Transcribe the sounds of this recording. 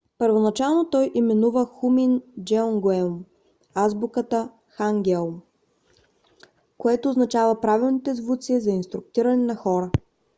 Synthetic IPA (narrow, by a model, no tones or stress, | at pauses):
pəɾvonɐt͡ʃalˠnot̪ɔjʔimɛnuvəxumind͡ʒɛɔŋɡɛm | azbukət̪ə | xaŋɡɛlˠm | koɛt̪oːznɐt͡ʃavəpɾavilˠnit̪ɛzvut̪siɛzɐinst̪ɾʊk̚t̪iɾɐnɛnɐxɔɾə